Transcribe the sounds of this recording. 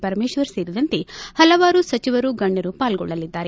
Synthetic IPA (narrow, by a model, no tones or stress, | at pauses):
pɐɾɐmeːʃʋɐɾseːɾid̪ɐnt̪ehɐlɐʋaːɾusɐt͡ʃiʋɐɾuɡɐɳːɐɾupaːlɡɔ̰ɭːɐlid̪ːaːɾe